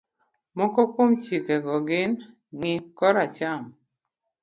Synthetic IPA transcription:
mɔkɔkomt͡ʃikeɡɔɡɪn | ŋɪkɔɾat͡ʃam

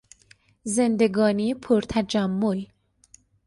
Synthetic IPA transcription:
zend̪eɡɒːniːpʰoɾt̪ʰæd͡ʒæmːol

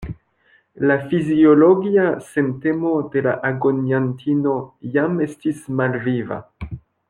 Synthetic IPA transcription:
lafizio̞lo̞ɡiasente̞mo̞de̞laʔaɡonjantʰino̞jame̞stismalviva̰

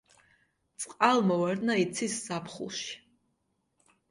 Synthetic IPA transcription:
t̪sʼqʼalˠmɔvaɾd̪nait̪sʰisːapʰχṵlˠʃi̥

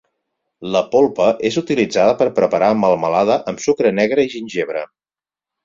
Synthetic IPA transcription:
ləpolˠpəʔezut̪ilid͡zaðəpəɾpɾəpəɾaməlˠməlaðəʔəmsukɾənɛɣ̞ɾəiʒinʲʒeβ̞ɾə

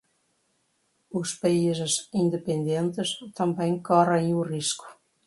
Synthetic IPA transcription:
uspejzəsind̪epend̪jent̪əst̪ambɛŋkɑɾaiurisku̥

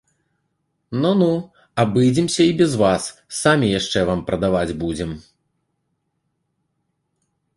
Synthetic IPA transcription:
nɔnu | abɨd͡zʲimsʲɐibʲɛzvasːamʲijaʂt͡ʂɛvampɾɐd̪avad͡zʲbud͡zʲɛm

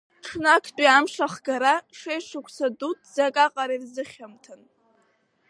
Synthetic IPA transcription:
ʈ͡ʂʰnakʰtʼiamʂaχɡaɾaʂejʂɨkʷʰsadutʼʰzakʼaqʼaɾirzɨχʲamtʰɨn

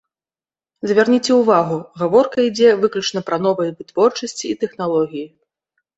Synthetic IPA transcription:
zvʲarnʲit͡sʲɛuvaɣuɣavɔrkɐid͡zʲɛvɨklʲut͡ʂnɐpɾɐn̪ɔvɐjɐvɨt̪vɔrt͡ʂɐsʲt͡sʲiːt̪ɛxnalˠɔɣʲiji

